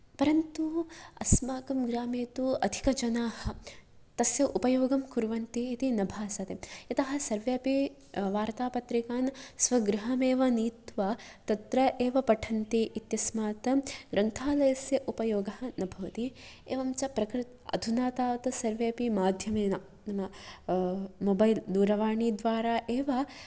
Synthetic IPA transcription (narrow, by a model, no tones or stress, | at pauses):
pɐɾɐnt̪uɐsmaːkɐmɡɾaːmeːt̪uɐd̪ʱi̥kɐd͡ʒɐnaːhɐ̆ | t̪ɐsjɐʔupɐjoːɡɐmkuɾʋɐnt̪iit̪inɐbʱaːsɐt̪eɐt̪ɐɦɐ̆sɐɾʋjaːpi | ʋaːɾt̪aːpɐt̪ɾikaːnsʋɐɡɾɪɦɐmeːʋɐniːt̪ʋat̪ɐt̪ɾɐʔeːʋɐpɐʈʰɐnt̪iʔit̪jɐsmaːt̪ɐɡɾɐnt̪ʰaːlɐjɐsjɐʔupɐjoːɡɐɦɐ̆nɐbʱɐʋɐt̪i | eːʋɐmt͡ʃɐpɾɐkɾɪt̪ɐ̰d̪ʱunaːt̪aːʋɐt̪ɐsɐɾʋjaːpimaːd̪ʱjɐmeːnɐ | nɐmɐ | mobɐjld̪uːɾɐʋaːɳid̪ʋaːɾaːʔeːʋɐ